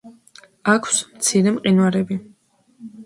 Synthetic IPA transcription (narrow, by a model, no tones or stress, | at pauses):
akʰsmt̪sʰiɾɛmqʼinwaɾɛbi